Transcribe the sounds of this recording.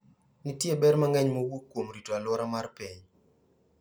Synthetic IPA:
nɪtjebɛɾmaŋɛɲmowukːwomɾitoalwɔɾamarpiɲ

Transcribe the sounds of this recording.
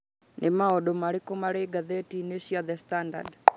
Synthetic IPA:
nʔemaɔɗomaɾikomaɾeɡaðetineʃiaðɛstanda̰d

